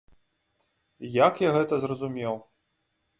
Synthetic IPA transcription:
jakjaɣɛt̪ɐzrɐzumʲɛw

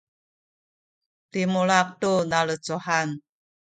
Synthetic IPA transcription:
timuɭak̚tunaɭət͡suhan

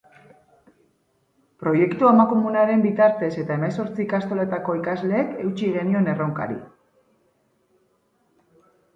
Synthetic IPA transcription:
pɾo̞je̞kt̪uamako̞munaɾe̞mbit̪aɾt̪e̞se̞t̪ae̞meso̞ɾt͡siːkast̪o̞le̞t̪ako̞ikazle̞ːke̞wt͡ʃiɣe̞nio̞ne̞rowŋka̰ɾḭ

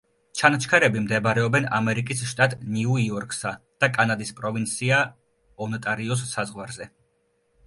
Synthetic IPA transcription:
t͡ʃʰanat͡ʃʰkʰaɾɛbimd̪ɛbɾɛɔbɛna̰mɛɾikʼisʃt̪ʼat̪ʼniuiɔɾkʼʰsad̪̥akʼanad̪ispʼɾɔvint̪sʰia | ɔnɔt̪ʼaɾiɔs̬ːazʁwaɾzɛ

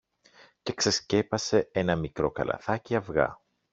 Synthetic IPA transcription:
ce̞kse̞sce̞pɐse̞e̞nɐmikɾo̞kɐ̰lɐ̰θɐciɐvɣɐ̰

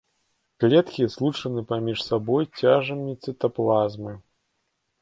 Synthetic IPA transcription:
klʲɛt̪kʲizlˠut͡ʂɐnɨpamʲiʂsabɔjt͡sʲaʐɐmʲit̪sʲɨt̪ɐplˠazmɨ

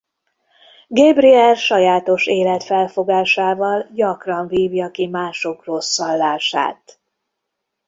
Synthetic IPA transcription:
ɡɛbriɛrʃɒjaːt̪o̞ʃeːlɛt̪fɛlfo̞ɡaːʃaːvɒlɟɒkrɒɱviːvjɒkimaːʃo̞kro̞sːɒlːaːʃa̰ːt̪

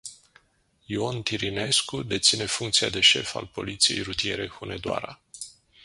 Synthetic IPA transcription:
io̞nt̪iɾine̞skud̪e̞t̪sine̞fuŋk̚t̪siad̪e̞ʃe̞fa̰lpo̞̰lit̪sije̞jɾut̪ije̞ɾe̞xune̞d̪oa̰ɾa

